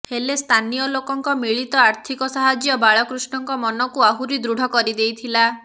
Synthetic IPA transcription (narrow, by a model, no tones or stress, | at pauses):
helest̪ʰanijɔlokɔŋkɔmiɭit̪ɔaɾt̪ʰikɔsaɦad͡ʒjɔbaɭɔkɾusɳɔŋkɔmɔnɔkuaɦuɾid̪ɾuɽ̤ʱɔkɔɾid̪ejt̪ʰila